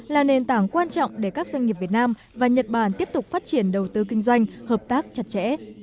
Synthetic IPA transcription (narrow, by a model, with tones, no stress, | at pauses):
laː˨˩ne˨˩nt̪aː˧˩ŋkwaː˧nt͡ɕɔ̰˧˨wŋ͡mɗe˧˩kaː˦˥k̚zwa˧jŋ̟ŋi˨˩əp̚vi˨˩ət̚naː˧m | vaː˨˩ɲə˨˩t̚ɓaː˧˩nt̪i˦˥əp̚t̪ʊ˨˩k͡p̚faː˦˥t̚t͡ɕi˧˩ənɗə˨˩wt̪ɨ˧kï˧ŋ̟zwa˧jŋ̟həː˨˩p̚t̪aː˦˥k̚t͡ɕa˨˩t̚t͡ɕɛ̰˧˥